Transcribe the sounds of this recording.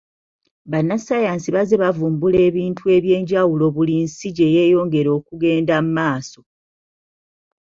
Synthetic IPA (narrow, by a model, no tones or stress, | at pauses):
βanːasajaːnsiβazeβavuːmbule̞ːβiːntʰue̞ːβje̞ːɲɟawulo̞βulinsiɟe̞je̞ːjo̞ːŋɡe̞ɾo̞ːkuɡe̞ːndamumaːso̞